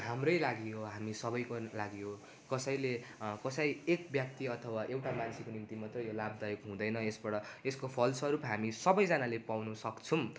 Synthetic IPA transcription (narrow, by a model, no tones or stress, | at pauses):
ɦamrʌjlaɡijoɦamisʌbʌjkolaɡijo | kʌsʌjlekʌsʌjek̚bjak̚t̪iʌt̪ʰʌwaʔewʈamansʰikonimt̪imat̪rʌjolab̚d̪ʌjokɦũd̪ʌjnʌesbʌɽʌeskopʰʌlsʌɾupɦamisʌbʌjd͡zanalepawnusʌkt͡sʰum